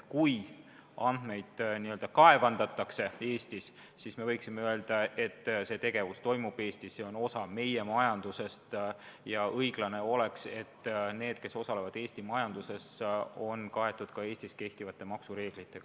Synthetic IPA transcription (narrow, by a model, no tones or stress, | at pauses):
kuj | ɑnd̪me̞jd̪̥niːøld̪̥ɑkɑe̞vɑnd̪̥ɑt̪ːˑɑkse̞e̞ːst̪is | sisme̞vɤjksimeøe̞ld̪̥ɑe̞t̪ːse̞t̪e̞ɡ̥e̞vust̪o̞jmub̥e̞ːst̪isse̞o̞no̞sɑme̞je̞mɑjɑnd̪̥use̞st̪jɑʔɤjɡ̥lɑne̞o̞le̞kse̞t̪ːne̞ːd̪̥̚ke̞so̞sɑle̞vɑd̪̥e̞ːst̪imɑjɑnd̪̥use̞so̞nkɑe̞t̪ːˑud̪̥kɑe̞ːst̪iske̞ht̪ivɑt̪ːe̞mɑksuɾe̞ːɡ̥lit̪ːˑeɡ̥ɑ